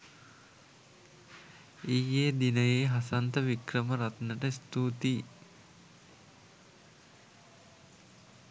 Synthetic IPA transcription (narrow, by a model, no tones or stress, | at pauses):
ijːeːd̪inəjeːɦasant̪əʋikrəməɾat̪nəʈəst̪uːt̪iː